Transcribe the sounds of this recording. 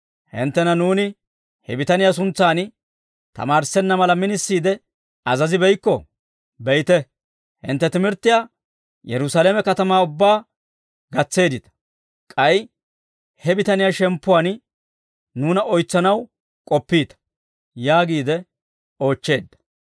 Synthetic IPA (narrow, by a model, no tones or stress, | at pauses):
hɪ̰nt̪ːɛnɐnuːnɪ | hɛbɪt̪ɐnɪjas̬ʊnt͡sːaːn | t̪ɐ̰maːɾsɛnːɐmɐlɐmɪnɪsːiːd̪ɛ | ɐzɐzɪbɛjkːɔ | bɛjt̪ɛ | hɪ̰nt̪ːɛt̪ɪmɪɾt̪ːɪja | jɛɾʊsaːleːmɛkɐt̪ɐmaːʊbːaː | ɡɐt͡sːe̞ːd̪ɪt̪ɐ̥ | kʼɐj | hɛbɪt̪ɐnɪjaʃɛmpːʊwaːn | nuːnɐɔjt͡sːɐnɐw | kʼɔpːiːt̪ɐ̥ | jaːɡiːd̪ɛ | o̞ːt͡ʃːe̞ːd̪ːɐ̥